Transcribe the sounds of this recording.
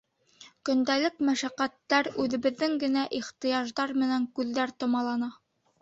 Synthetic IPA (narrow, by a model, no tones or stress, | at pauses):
kɵ̆nd̪ælɘkmæʃæqæt̪ːæɾʉðɘ̆βɘ̆ðːɘŋɡɘ̆næʔiχt̪ɤ̆jɑʒðɑɾmɘ̆næŋkʉðːæɾt̪ŏmɑlˠɑnɑ